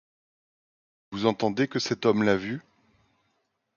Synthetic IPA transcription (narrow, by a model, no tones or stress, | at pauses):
vuzɑ̃t̪ɑ̃d̪ekəsɛt̪ɔmlavy